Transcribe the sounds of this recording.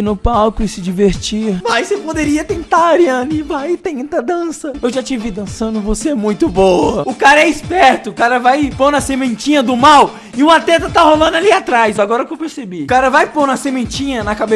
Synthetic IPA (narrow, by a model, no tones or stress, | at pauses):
nʊpawkʊɪsɪd͡ʒiveɾt͡ʃimajsepod̪eɾiɐt̪ẽnt̪aɾiɐ̃nɪvajt̪ẽnt̪ɐd̪ɐ̃sɐewʒat͡ʃivid̪ɐ̃sɐ̃nd̪ʊvoseɛmũj̃t̪ʊbowɐʊkaɾɐɛispɛɾt̪ʊkaɾɐvajponɐsemẽnt͡ʃĩɲɐd̪ʊmaw | ɪũmɐt̪ɛt̪ɐt̪aholɐ̃naliat̪ɾajzaɡɔɾɐkewpeɾsebiʊkaɾɐvajponɐsemẽnt͡ʃĩɲɐnɐkabe